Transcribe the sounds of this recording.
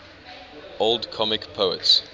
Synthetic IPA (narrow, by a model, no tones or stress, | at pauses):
olˠdkʰɔmɪkpʰəʊə̰ts